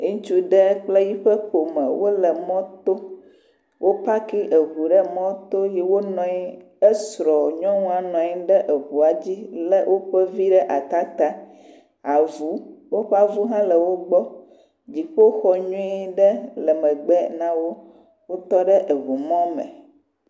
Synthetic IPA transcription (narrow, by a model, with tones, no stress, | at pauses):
ũ˦t͡ʃu˦ɖɛə˦k͡ple˦ji˦ɸɛ˦ɸo˨mɛ̰˨wo˦lə˨mɔ̃˦t̪o˦ | wʔo˦pa˦ki˦ʔə˨ɦu˨ɖɛ˦mɔ̃˦t̪o˦jɛ˦wo˦nɔ̃˨i˦ | ɛ˦sɾɔ˨ɲɔ̃˦ŋũ˦a˨nɔ̃˨i˦ɖɛ˦ʔə˨ɦu˨a˨d͡ʑi˦lɛ˦wʔo˦ɸɛ˦vi˦ɖɛ˦ʔa˨t̪a˦t̪a˦ | a˨vu˨˦wo˦ɸa˦vu˦ɦã˦lə˨wo˦ɡ͡bɔ˦ | d͡ʑi˨ɸo˦xɔ˨ɲɔ̃˦i˦ɖɛ˦lɛ˨mɛ̃˨ɡ͡bɛ˦nã˦wo˦ | wo˦t̪ɔ˦ɖɛ˦ʔə˨ɦu˨mɔ̃˦mɛ̰̃˨